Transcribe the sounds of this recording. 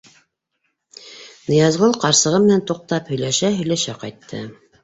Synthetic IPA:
nɤ̆jɑzʁɤlˠqɑɾsɤ̆ʁɤmɘ̆nænt̪uq̚t̪ɑphɵ̆jlæʃæɦɵ̆jlæʃæqɑ̰jt̪ːɤ̰

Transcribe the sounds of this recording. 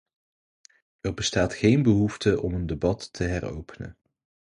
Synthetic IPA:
ɛrbəstaːtχejnbəɦuftəʔɔməndebɑtːəɦɛro̰wpənə̰

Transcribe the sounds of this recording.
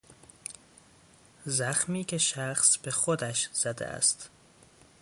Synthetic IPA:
zæxmiːkʲʰe̞ʃæxsb̥e̞xod̪æʃz̥æd̪ḛʔæ̰st̪

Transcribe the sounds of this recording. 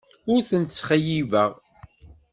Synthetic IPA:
ʊɾθənt̪sːχəjivəʁ

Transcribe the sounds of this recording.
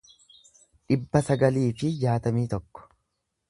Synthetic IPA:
ᶑɪbːɐsɐɡɐliːfɪd͡ʒaːt̪ɐmiːt̪ɔkːɔ̥

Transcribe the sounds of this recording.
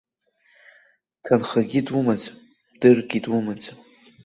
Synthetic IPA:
tʰanχaɡʲidwumad͡za | b̥dɨrɡʲidwʊmad͡za

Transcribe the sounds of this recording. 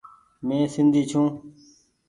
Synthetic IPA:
mẽːsɪnd̪ʱiːt͡ʃʰũː

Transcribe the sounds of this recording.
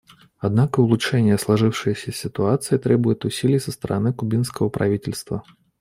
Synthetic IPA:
ad̪̚nakɐulˠut͡ʂɛnʲɪjɛslˠaʐɨwʂɨjəsʲɐsʲit̪uat̪sɨjit̪ɾɛbʊjɪt̪ʊsʲilʲijsɐst̪ɐɾʔanɨkubʲinskɐvɐpɾa̰vʲitʲɪlʲst̪vɐ̰

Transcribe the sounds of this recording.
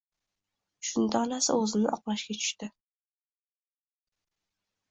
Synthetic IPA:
ʃʊnd̪ɑlasa̰ɵzɪnɪ̰ʔɒqlˠaʃkʲat͡ʃʰʊ̥ʃt̪ɪ

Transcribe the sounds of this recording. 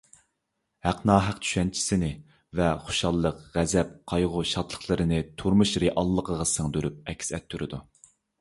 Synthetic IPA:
hæqnɑːɦæqt͡ʃ̪ʰy̥ʃɛnt͡ʃʰi̥sɪnɪ | vɛχoʃɑlˠːəqʁæzɛp̚qʰɑjʁʊʃɑt̪lˠəχlˠɨɾɨnɨt̪ʰuɾmuʃɾeʔɑlˠːəqʰəʁɑsɨŋd̪øɾyp̚ɛkʲsɛt̪ʰːyɾɨd̪u

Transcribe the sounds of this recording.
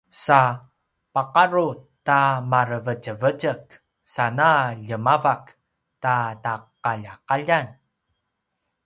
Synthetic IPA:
sa | paqaɾutamaɾəvət͡ʃəvəd͡ʒək | sanaʎəmavak | tataqaʎaqaʎan

